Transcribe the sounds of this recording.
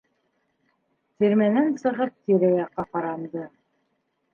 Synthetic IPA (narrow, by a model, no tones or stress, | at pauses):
t̪iɾmænænsɤ̆ʁɤp̚t̪iɾæjɑqːɑqɑɾɑnd̪ɤ